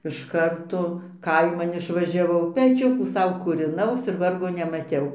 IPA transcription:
ɪʃ ˈkɐrtoː ˈkɐɪmɐn ɪʃʋɐʒʲɛˈʋɐʊ pʲɛˈt͡ʃʲʊkuː ˈsɐʊ kuːrʲɪˈnɐʊs ɪr ˈʋɐrɡoː nʲɛmɐˈtʲɛʊ

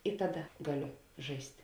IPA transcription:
ɪ ˈtɑːˌdɐ ˈɡɑːˌlʲoː ˈʒɐɪsʲtʲ

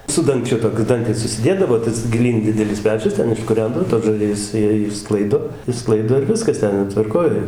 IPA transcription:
sʊ dɐŋˈkt͡ʃʲʊ toːˈkʲʊ ˈdɐŋktʲɪs ʊʃʲsʲɪˈdʲeːdɐʋoː ˈtɐs ɡʲɪˈlʲiːn ˈdʲɪdʲɛlʲɪs ˈpʲæːt͡ʃʲʊs ˈtʲɛn ɪʃkʊˈrʲɛndɐʋoː toːs ʒɐˈrʲɪjɛs ˈjiɛ ɪʃˈsklˠɐɪdoː ɪʃˈsklˠɐɪdoː ɪr ˈʋʲɪskɐs ˈtʲɛn joː tʋɐrˈkoːj

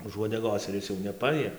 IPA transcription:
ʊʃ uɔdʲɛˈɡoːs ɪr ˈɪs jɛʊ nʲɛˈpɑːjiɛ

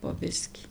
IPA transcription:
poː ˈbʲɪsʲkʲiː

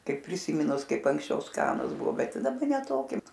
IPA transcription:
ˈkɐɪp pʲrʲɪsʲɪˈmʲiːnʊs ˈkɐɪp ɐŋksʲˈt͡ʃʲɛʊ ˈskɑːnʊs ˈbʊʋoː ˈbʲɛt ˈtɐɪ dɐˈbɐ nʲɛ ˈtoːkʲɪ

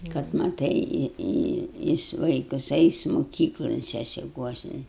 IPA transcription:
kɐt mɐˈtɐɪ ˈjɪs ˈʋɐɪkɐs ˈɛɪs moːˈkʲiːklˠoːn sʲɛsʲɪˈkuɔsʲɪn

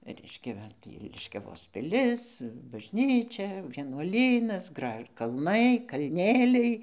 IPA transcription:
ˈrʲɛɪʃʲkʲɛ ˈʋɐ tʲiː lʲɪʃʲkʲɛˈʋoːs pʲɪˈlʲɪs bɐʒʲˈnʲiːt͡ʃʲɛ ʋʲiɛnuɔˈlʲiːnɐs ˈɡrɐʃ kɐlˠˈnɐɪ kɐlʲˈnʲeːlʲɛɪ

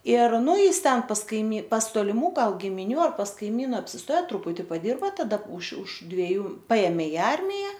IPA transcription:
ɪr ˈnʊ ˈjɪs ˈtʲɛn pɐs kɐɪˈmʲiː pɐs toːlʲɪˈmuː ˈɡɐlˠ ɡʲɪmʲɪˈnʲuː ɐr pɐs kɐɪˈmʲiːnɐ ɐpʲsʲɪsˈtoːjɛ trʊˈpʊtʲɪ pɐˈdʲɪrbɐ tɐˈdɐ ʊʃ ʊʃ dʲʋʲɛˈjuː ˈpɐeːmʲeː ɪ ˈɐrʲmʲɪjɛ

